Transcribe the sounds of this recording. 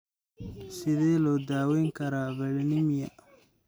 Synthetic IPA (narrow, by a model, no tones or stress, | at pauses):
sɪðɛːlɔːd̪aːwɛːŋkʰɐɾaːvɐlnɪmjɐ